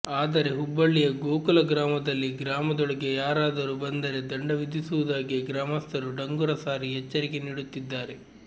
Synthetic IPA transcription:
aːd̪ɐɾe̞ɦubːɐɭːijɐɡoːkɐlɐɡɾaːmɐd̪ɐlːiɡɾaːmɐd̪ɔɭɐɡe̞jaːɾaːd̪ɐɾubɐnd̪ɐɾe̞d̪ɐɳɖɐʋid̪isuʋud̪aːɡiɡɾaːmɐst̪ʰɐɾuɖɐŋɡuɾɐsaːɾiɦɛt͡ʃːɐɾike̞niːɽut̪ːid̪ːaːɾe̞

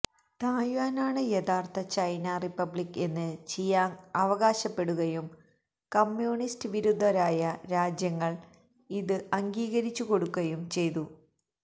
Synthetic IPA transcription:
t̪aːjʋaːnaːɳɨjet̪ʰaːrt̪ɐt͡ɕɐjnɐripːɐbɭikːe̞nːɨt͡ɕejːaːnɐʋɐɣaːɕɐpːe̞ɽuɣɐjum | kɐmːjuːɳistɨʋiɾud̪ʱːɐɾaːjɐɾaːd͡ʑjɐŋːɐɭ | iðɨɐŋɡiːɣɐɾit͡ɕːuko̞ɽukːɐjumt͡ɕe̞jt̪u

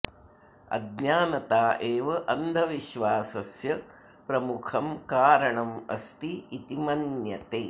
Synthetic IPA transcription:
ɐ̰ɡnaːnɐt̪aːʔeːʋɐʔɐnd̪ʱɐʋiʃʋaːsɐsjɐ | pɾɐmukʰɐmkaːɾɐɳɐmɐ̰st̪iːt̪imɐnjɐt̪eː

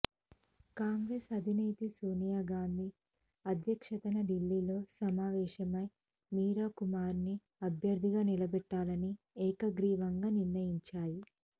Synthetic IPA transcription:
kaːŋɡɾe̞ːsɐd̪ʱineːt̪isoːnijaːɡaːnd̪ʱi | ɐd̪ʱjɐkʂɐt̪ɐnɐɖilːiːlo̞ːsɐmaːʋɛːʃɐmɐj | miːɾaːkumaːɾni | ɐbʱjɐɾd̪ʱiɡaːnilɐbɛʈːaːlɐni | ɛːkɐɡɾiːʋɐŋɡaːniɾnɐjiɲt͡ʃaːji

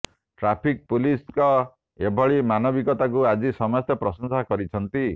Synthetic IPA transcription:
ʈɾapʰik̚puliskɔ | ebʱɔɭimanɔbikɔt̪ak̬uad͡ʒisɔmɔst̪jɔpɾɔsɔnsakɔɾit͡ʃʰɔnt̪i

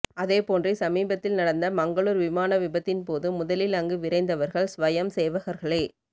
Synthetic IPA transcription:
ɐðeːpoːndrisɐmiːbɐt̪ːɪlnɐɽɐnd̪ɐmɐŋɡɐɭuːɾʋɪmaːnɐʋɪbɐt̪ːɪnpoːðɯmʊðɐlɪlɐŋɡɯʋɪɾɐɪnd̪ɐʋɐɾɣɐɭsʋɐjɐmseːʋɐɣɐɾɣɐɭeː

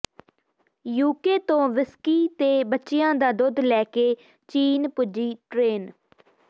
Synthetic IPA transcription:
juːkeːt̪õːʋɪskiːt̪eːbətːʃɪjãːd̪aːd̪ʊd̪lɛːkeː | t͡ʃiːnpʊd͡ʒiːʈɾeːn

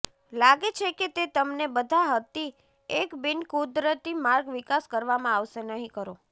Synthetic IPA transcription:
laɡet͡ʃʰeket̪et̪əmnebəd̪ʱaɦət̪i | ekbɪnkud̪ɾət̪imaɾɡʋikaskəɾʋamãaʋʃenəɦĩkəɾo

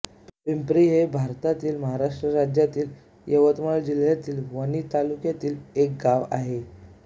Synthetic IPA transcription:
pimpɾiɦebʱaɾt̪at̪iːlməɦaɾaʂʈɾəɾad͡ʑjat̪iːl | jəʋət̪məɭd͡ʑil̤jat̪iːlʋəñit̪alukjat̪iːlek̚ɡaʋaɦe

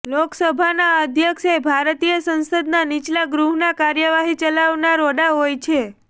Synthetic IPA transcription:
loksəbʱanaəd̪ʱjəkʃebʱaɾt̪ijəsə̃nsəd̪nanit͡ʃlaɡɾuɦnakaɾjəʋaɦit͡ʃəlaʋnaɾoɖaɦojt͡ʃʰe

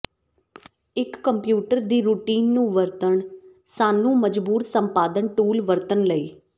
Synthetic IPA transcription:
ɪkːəmpjuːʈəɾd̪iːɾuːʈiːnːũːʋəɾt̪əɳ | saːnũːməd͡ʒbuːɾsəmpaːd̪ənʈuːlʋəɾt̪ənləiː

